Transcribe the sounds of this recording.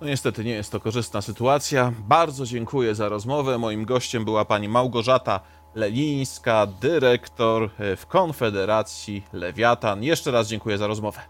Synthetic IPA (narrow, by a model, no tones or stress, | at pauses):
nɔɲɛst̪ɛt̪ɘɲɛjɛst̪ːɔkɔʐɘst̪nasɘt̪uat̪sʲjabaɾd̪zɔd͡ʑɛŋkujɛzaɾɔzmɔvɛmɔjimɡɔɕt͡ɕɛmbɘwapaɲimawɡɔʐat̪a | lɛlʲij̃skad̪ɘɾɛkt̪ɔɾfkɔnfɛd̪ɛɾat̪sʲjilɛvʲjat̪anjɛʂt͡ʂɛɾazd͡ʑɛŋkujɛzaɾɔzmɔvɛ